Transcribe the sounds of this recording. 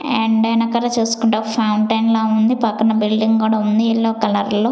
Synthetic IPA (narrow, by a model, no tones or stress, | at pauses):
eɳɖɐjnɐkːɐɾɐt͡ʃeːsu̥kuɳʈɐpʰɐwɳʈɐjnlaːund̪ipɐkːɐnɐbilɖiŋɡkuːɽaːund̪iːɭːoːkɐlɐɾloː